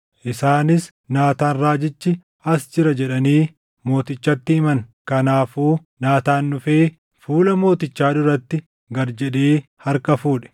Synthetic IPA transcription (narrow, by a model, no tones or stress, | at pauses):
ʔɪsaːnɪs | naːt̪aːnɾaːd͡ʒɪt͡ʃːɪ | ɐsd͡ʒɪɾɐd͡ʒɛᶑɐniː | mo̞ːt̪ɪt͡ʃːɐt̪ːɪɪmɐnkɐnaːfuː | naːt̪aːnːʊfe̞ː | fuːlɐmo̞ːt̪ɪt͡ʃːaːd̪ʊɾɐt̪ːɪ | ɡɐɾd͡ʒɛᶑeːhɐɾkɐfuːᶑɛ̥